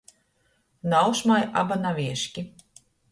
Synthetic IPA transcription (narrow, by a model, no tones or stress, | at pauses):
nawʃmajʔa̰banavʲiɛʃkʲi